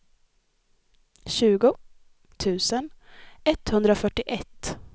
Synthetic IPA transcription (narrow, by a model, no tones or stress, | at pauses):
ɕʉ̟ːɡʊ | t̪ʰʉ̟ːsənɛt̪hɵnd̪ɾəɔfœʈːɪʔɛt̪ː